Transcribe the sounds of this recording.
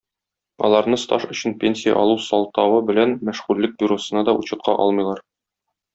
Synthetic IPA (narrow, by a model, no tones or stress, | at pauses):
ɒ̰lˠɑɾnɤst̪ɑʃɵ̆ɕɘnpʲenʲsʲijɑ̰ʔɒlˠusɒlˠt̪ɑwɤbɘ̆lænmæʃʁʉlːɘk̚bʲiɾosɤ̆nɑd̪ɒʔuɕɤ̆t̪̚qɑʔɒ̰lˠmɤjlˠɑɾ